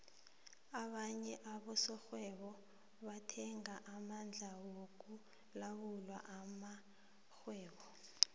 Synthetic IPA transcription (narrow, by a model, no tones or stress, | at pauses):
aɓaɲɛʔaɓɔsɔxwɛɓɔ | ɓatʰɛŋaʔamand͡ɮʱawok̬ʼu | lawulwa̰ʔama | xwɛːɓɔ